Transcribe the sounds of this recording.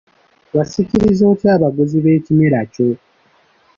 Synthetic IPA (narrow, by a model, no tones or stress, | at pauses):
wasiciɾizo̞ːtjaːβaɡoziβe̞ːcime̞ɾaco̞